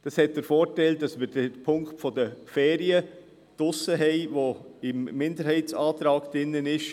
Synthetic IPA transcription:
d̥ɑshɛt̚d̥əɾfoːɾtɛld̥ɑsməɾd̥əpʰʊŋktfɔdəfɛːɾiə | d̥ʊsːəɦɛɪʋoɪmːɪndəɾɦɛɪtsɑːt̪ɾɑːkd̥ɪnːənɪʃ

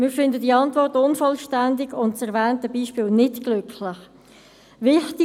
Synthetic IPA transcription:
mɪːɾfɪndədiːɑntvɔrtʊnfɔlʃtændɪɡʊntsɛʁvɛːntəbiːʃpiːlnɪtɡ̥lʏkʰlɪχ | vɪχtɪ

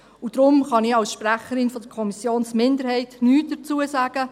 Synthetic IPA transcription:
ud̥̪ɾʊmχɑnɪɑlsʃpɾæχəɾɪnfɔd̪əkʰɔmisjoːnsmɪnd̪əɾhɛɪtnyːt̚d̥ət͡suːəsæːɡ̥ə

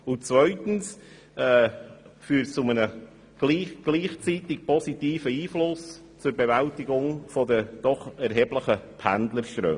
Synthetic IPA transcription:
ʊnt͡svœʏt̪n̩s | ɛːfyːɾtt͡sʊmənə | ɡ̥liːɡ̥liːχt͡sitɪk̚pʰɔsitiːfəiːflʊs | t͡sʊɾbevæltɪɡʊŋfɔdəd̥ɔχɛɾɦɛːbləχəpʰændləɾʃt̪ɾø̰ː

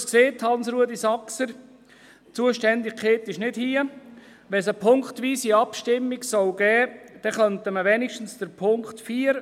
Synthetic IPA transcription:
skseːthɑnsɾuədisɑksəɾ | t͡suəʃtɛndɪɡkʰχeːt̪ɪʃnɪd̥hiːə | ʋɛsəpʰʊŋktʋiːsiɑpʃtɪmːiɡsɔlɡ̥ɛːd̥ɛχœntəməʋɛnɪʃtən̩sd̥əɾpʰʊŋktfiːəɾ

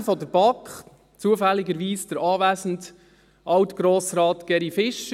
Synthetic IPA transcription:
fɔdəɾbɑkχ | t͡suəfælːɪɡəɾʋiːsd̥əɾɑːʋæːzn̩t | ʔɑwtɡ̥ɾoːsɾɑːtɡ̥ɛɾifɪʃ

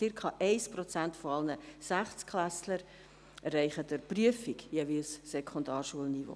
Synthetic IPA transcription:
t͡sɪɾkʰɑʔɛɪspɾot͡sæntfoɑlnəsæχt͡skχlæsləɾ | ɛrːɛɪχədæɾpryəfiɡjeːvilsːekʰondɑːrʃuəlnivo̰ː

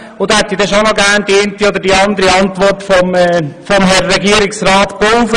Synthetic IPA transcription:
ʊd̪hɛt̪ːid̪ɛʃonoɡæːnd̥ient̪iod̪əɾdiɑnd̪əɾiɑntʋɔɾtfɔmːfɔmɦɛɾːɛɡiəɾiksɾɑːt̪powfə

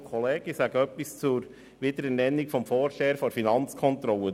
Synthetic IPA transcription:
kʰɔleːɡ̥isæɡəœpːist͡sʊɾ | ʋɪd̪əɾɛnɛnːikfɔmfoːɾʃeːɾfoɾfinɑnt͡skʰɔnt̪ɾɔlə

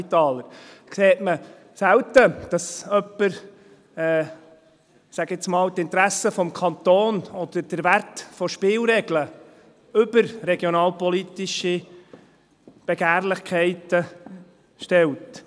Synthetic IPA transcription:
t̪ɑːləɾkseːtmə | sæwtəd̥ɑsœpːəɾ | ɛː | sæɡɪsmɑːltɪnt̪ɾæsəfɔmkʰɑnt̪oːnɔd̪̥əɾd̥əɾʋæɾtfɔʃpɪːlɾɛɡlə | ʏbəɾɾɛɡjɔnɑːlpɔlit̪iʃi | b̥ɛɡ̥æːɾlɪχkʰχɛɪt̪ə | ʃtɛwt

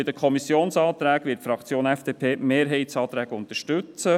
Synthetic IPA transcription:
ɪd̪əkʰɔmisːjoːnsɑːt̪ɾæːkʋɪtfɾɑkt͡sjoːnɛfd̥eːpʰeːmeːɾɦɛɪtsɑːt̪ɾæːɡəʊnt̪əʃtʉt͡sə

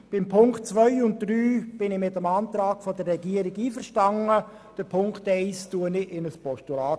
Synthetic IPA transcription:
b̥ɪmpʰʊŋktt͡sʋœʏʊnt̚d̥ryːb̥ɪnɪmɪtəmɑːnt̪ɾɑːɡ̥fɔdərːɛɡiəɾiɡiːfəɾʃtɑŋə | d̥əpʰʊŋktɛɪstuənɪɪnəspɔʃtulaːt

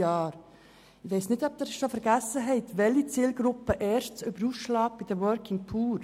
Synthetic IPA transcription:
ɑːɾ | ɪʋeɪsnɪdɔb̚d̪əɾʃofəɾɡ̥æsːəɦɛɪt̪ʋɛlːit͡siːlɡɾʊpːəʔɛːɾʃt͡søbəɾusʃlɑːɡ̚b̥ɪd̥əwœɾkɪŋpʰuːɾ

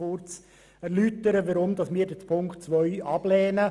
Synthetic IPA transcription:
ʊɾt͡s | æɾlyt̪əɾəʋəɾʊmd̪ɑsmɪːɾdɛpʰʊŋktt͡sʋœʏʔɑb̥lɛːnə

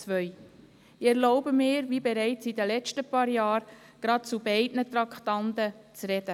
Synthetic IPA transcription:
t͡sʋœʏ | ɪɛɾlɔʊbəmɪːɾvibɛɾɛɪt͡sid̪əlɛt͡ʃtəpɑːɾjɑːɾ | ɡ̥ɾɑt̚t͡subɛɪdnət̪ɾɑktɑnt̪ət͡srɛd̥ə

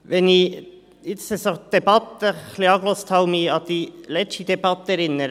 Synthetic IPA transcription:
ʋɛni | ɪt̪səsɔd̪̥ɛbɑt̪ːəkʰlɪɑɡlost̪ʰɑʊmiɑt̪̚d̪ilɛt͡ʃid̪̥ɛbɑt̪ːəɛɾɪnːəɾ

